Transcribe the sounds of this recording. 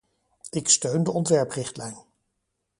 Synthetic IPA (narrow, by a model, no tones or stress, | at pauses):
ɪkstøɥndəɔntʋɛɹprɪχtlɛjn